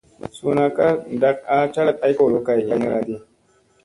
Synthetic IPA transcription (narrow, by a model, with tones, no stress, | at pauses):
su˨na˨ka˦˨da˦k̚a˦t͡ʃa˦la˦˨t̚a˦jko˦˨lo˦ka˦˨a˦ɲḭ˦ɾa̰˦di˦